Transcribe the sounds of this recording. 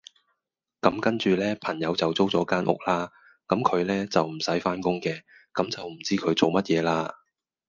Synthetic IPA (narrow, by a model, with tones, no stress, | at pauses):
kɐ˨˧˥mkɐ˥nt͡ʃyː˨lɛː˥pʰɐ˨˩ŋjɐ˨˧wt͡sɐ˨wt͡so˥wt͡sɔː˨˥kaː˥nʔʊ̰˨˩k̚laː˥ | kɐ˨˥mkʰɵ˨˧ɥlɛː˥t͡sɐ˨wm̩˨˩sɐ˨˥jfaː˥nkʊ˥ŋkɛː˧ | kɐ˨˧˥mt͡sɐ˨wm̩˨˩t͡siː˥kʰɵ˨˧ɥt͡so˨wmɐ˥t̚jɛː˨˧laː˥